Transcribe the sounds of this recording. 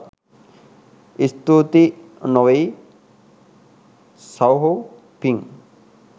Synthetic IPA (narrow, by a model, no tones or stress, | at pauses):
ist̪ut̪inɔwej | sawɦo | piŋ